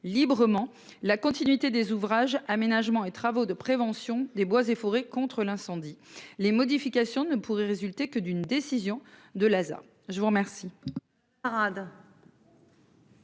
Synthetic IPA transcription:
libʁəmɑ̃ | lakɔ̃t̪inɥit̪ed̪ezuvʁaʒamenaʒmɑ̃et̪χavod̪əpχevɑ̃sjɔ̃d̪ebwazefɔʁekɔ̃t̪χəlɛ̃sɑ̃d̪ilemɔd̪ifikʲasjɔ̃nəpuʁɛʁezylt̪ekəd̪ynd̪esizjɔ̃d̪əlaza̰ʁ | ʒəvuʁmɛʁsi | ʁad̪

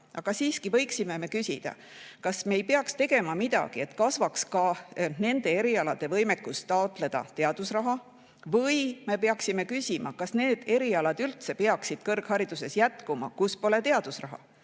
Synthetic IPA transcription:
ʔɑɡ̥ɑsiːskivɤ̞jksime̞me̞kysʲid̪̥ɑ̰ | kɑsmeːjpeɑkst̪e̞ɡe̞mɑmid̪̥ɑ̰ɡ̥ie̞t̪kɑsvɑkskɑne̞nd̪̥e̞e̞ɾiɑlɑd̪̥e̞vɤjmekːˑust̪ːɑot̪ˑle̞d̪̥ɑ̰t̪e̞ɑd̪usrɑɦɑ | vɤjme̞pe̞ɑksime̞kysʲimɑ̰kɑsne̞ːd̪̥e̞ɾiɑlɑd̪̥ylt̪se̞peɑksid̪̥kɤrɡ̥hɑɾid̪̥use̞sjæt̪kumɑ̰kuspo̞le̞t̪e̞ɑd̪̥usrɑɦɑ̰

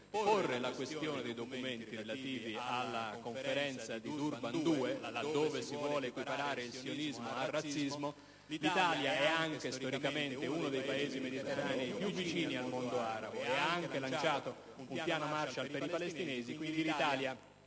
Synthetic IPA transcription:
porːelakwest̪joːned̪ejd̪okument̪irelat̪iːvialːakoɱfeɾɛnt̪sad̪id̪urband̪uːelad̪ːoːvesivwɔːleːkwipaɾaːɾeilsionizmoarːat̪sːizmo | lit̪aːljaɛaŋkest̪oɾikament̪eunod̪ejpaeːzimed̪it̪erːaːnipjuvːit͡ʃiːnialmond̪oaːɾa̰boeaaŋk̟elant͡ʃaːt̪o | umpjaːnomart͡ʃalpeɾipalest̪ineːzikwind̪ilit̪aːlja

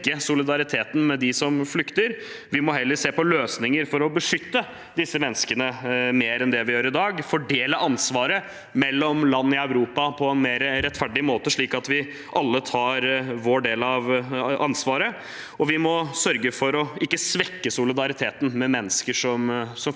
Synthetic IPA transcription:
əsʊlɪd̪ɑɾɪt̪ʰeːt̪n̩mɛd̪ɪsɔmflʏkt̪əɾ | ʋɪmɔɦɛlːəɾseːpɔløːsnɪŋəɾfɔɾɔbəʂʏt̪ːə | d̪ɪsːəmɛnːəskənəmeːɾɛnd̪ɛʋɪjøːɾɪd̪ɑːɡfɔɖeːləʔɑnsʋɑːɾə | mɛlːɔmlɑnːəɪœʉɾuːpɑpʰɔɛnmeːɾəɾɛt̪ːfæɖɪmoːt̪əʂɭiːkɑt̪ʋɪ | ʔɑlːət̪ʰɑːɾʋoːɖeːlɑʋɑ̰nsʋɑːɾə | ɔʋɪmɔsœɾɡəfɔɾɔɪkːəsʋɛkːəsʊlɪd̪ɑɾɪt̪ʰeːt̪nmɛmɛnːəskəʂɔmsɔm

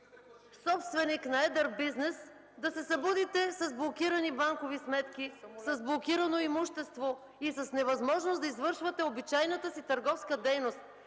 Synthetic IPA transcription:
sɔpst̪vɛniknɐɛd̪əɾbiznɛs | d̪ɐsɛsɐbud̪it̪ɛsɐzblˠokʲiɾɐnibaŋkovismɛt̪k̟isɐzblˠokʲiɾɐnoimuʃt̪ɛst̪vo | isɐsnɛvɐzmɔʒnosd̪ɐizvɤɾʃvɐt̪ɛobit͡ʃajnət̪əsit̪ɐɾɡɔfskəd̪ɛjnost̪̚

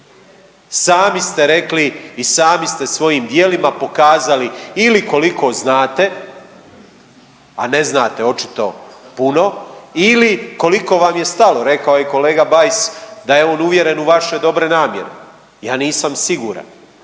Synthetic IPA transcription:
saːmist̪e̞ɾe̞kliːsaːmist̪e̞sʋo̞jiːmd̪jeːlimapo̞kaːzaliiliko̞liko̞znaːt̪e̞ | a̰ne̞znaːt̪e̞o̞t͡ʃi̥t̪o̞̰puno̞iliko̞liko̞ʋamje̞st̪alo̞ɾe̞kaojeko̞leːɡabajsd̪aje̞o̞ːnuʋje̞ɾe̞nuʋaʃe̞d̪o̞bɾenaːmje̞̰ɾḛ | jaːniːsamsiɡuːɾa̰n

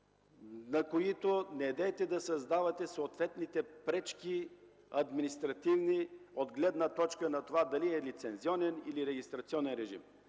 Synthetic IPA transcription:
nɐkoit̪onɛːd̪ɛt̪ɛd̪ɐsɐzd̪avɐt̪ɛsoːt̪vɛt̪nit̪ɛpɾɛt͡ʃkʲi | ɐd̪minist̪ɾɐt̪ivniod̪ɡlɛd̪nət̪ɔt͡ʃkənɐt̪ovad̪ɐliɛlit̪sɛnziɔnɛniliɾɛɡʲist̪ɾɐt̪siɔnɛnɾɛʒḭm

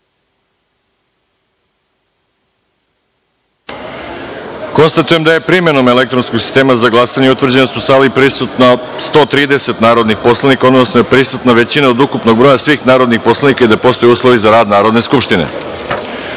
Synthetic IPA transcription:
ko̞nst̪at̪uje̞md̪aje̞pɾime̞no̞me̞le̞k̚t̪ɾo̞nskoɡ̥si̥st̪eːmazaɡlˠasaɲeut̪ʋrd͡ʑe̞nasusalipɾiut̪na | st̪o̞ːt̪ɾiːd̪e̞se̞t̪naːɾo̞d̪nixpo̞slˠanikaod̪nosnoepɾisut̪naʋe̞t͡ɕinao̞d̪ukupnoɡ̚bɾojasʋiːxnaːɾo̞d̪nixpo̞slˠanikaid̪apo̞st̪o̞juːslˠo̞ʋizaɾaːd̪naːɾo̞d̪ne̞skupʃt̪inḛ

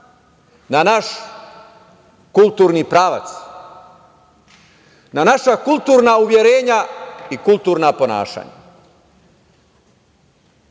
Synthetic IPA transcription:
nanaʃ | kulˠt̪uːɾnipɾaːʋa̰t̪s | nanaʃakulˠt̪uːɾnauʋje̞ɾeːɲaikulˠt̪uːɾnapo̞na̰ːʃa̰ːɲa̰

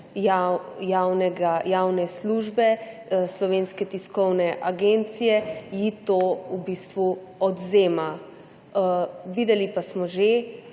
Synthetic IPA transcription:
ajawnɛɡajawnɛsluːʒbɛslɔʋeːnskɛt̪iskɔwnɛʔaɡent̪sijɛjit̪oubiːst̪ʋu | ɔd̪zeːma | ʋiːd̪ɛlipasmɔʒe

